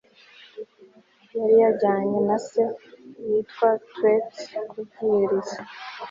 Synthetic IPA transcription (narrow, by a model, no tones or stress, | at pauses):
jaɾijaɟaːɲenase̞jitwatwetkuvɡiɾiza